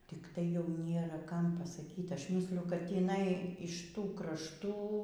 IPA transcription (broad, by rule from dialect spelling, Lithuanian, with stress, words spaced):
tʲɪkˈtɐɪ jɛʊ ˈnʲeːrɐ ˈkɐm pɐsɐˈkʲiːtʲ ˈɐʃ ˈmʲiːsʲlʲɪjʊ kɐt tʲiːˈnɐɪ ɪʃ ˈtuː krɐʃˈtuː